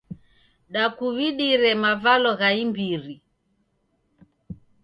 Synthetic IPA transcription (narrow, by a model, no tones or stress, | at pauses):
ɗakuβiɗiɾɛmavalɔɣaimbiɾi